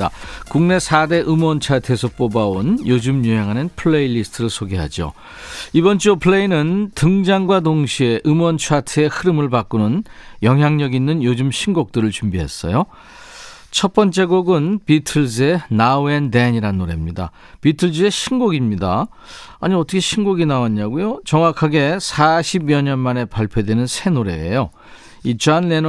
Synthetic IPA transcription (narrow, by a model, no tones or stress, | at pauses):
akuŋne̞sʰade̞ʔɯmʌnt͡ɕʰatʰesʰʌp͈obaonjod͡ʑumɲuɦeŋɦanɯnpʰɯɭːeiʎːisɯ̥tʰɯɾɯsʰoɡeɦa̰d͡ʑio̰ | ibʌnt͡ɕ͈opʰɯɭe̞inɯntɯŋd͡ʑaŋɡwadoŋɕʰie̞ʔɯmwʌnt͡ɕʰatʰeehɯɾɯmɯɭpak͈unɯnjʌŋɦjaŋɲʌɡinːɯnjod͡ʑɯmɕʰinɡok̚t͈ɯɾɯɭt͡ɕumbiɦes͈ʌ̰jo | t͡ɕʰʌp͈ʌnt͡ɕ͈e̞ɡoɡɯnpitʰɯɭse̞nauendeɲiɾanːoɾe̞mɲida̰ | pitʰɯɭd͡ʑe̞ɕʰinɡoɡimɲida̰ | aɲiʌt͈ʰʌkʰeɕʰinɡoɡinaaɲːaɡujot͡ɕʌŋwakʰaɡe̞sʰaɕʰibjʌɲʌnmane̞paɭpʰjodwe̞nɯnsʰe̞noɾe̞̰ːjo | it͡ɕʰanlen